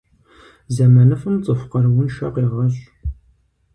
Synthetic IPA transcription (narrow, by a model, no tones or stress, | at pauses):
zɐmɐnɨfɨmt͡sʼɨfqɐɾwʊnʃɐqeːʁɐɕʼ